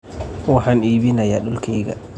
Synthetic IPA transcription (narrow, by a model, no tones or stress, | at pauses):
waħaniːbinajaɗɔlkʰɛɡa̰